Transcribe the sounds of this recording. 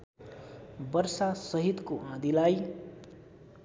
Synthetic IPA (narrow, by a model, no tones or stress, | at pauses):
bʌɾsasʌɦit̪koãd̪ilaj